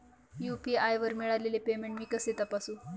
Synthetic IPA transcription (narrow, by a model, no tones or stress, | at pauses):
jupiajʋəɾmiɭalelepemeɳʈmiːkəset̪apasũː